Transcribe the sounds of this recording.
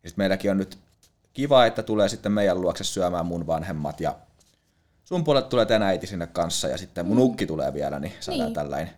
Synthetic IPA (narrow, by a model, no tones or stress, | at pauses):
jɑsit̪meilækionnyt̪ | kiʋɑːet̪ːæt̪uleːsit̪ːemmeijælluoksessyæmæːmmunʋɑnhemːɑ̰t̪jɑ̰ | sumpuoɑlet̪t̪uleːt̪enæit̪isinːekkɑnsːɑ̰jɑ̰sit̪ːemmunukːit̪ulḛːʋiælæ̰nisɑɑ̰ːt̪ælːæ̰in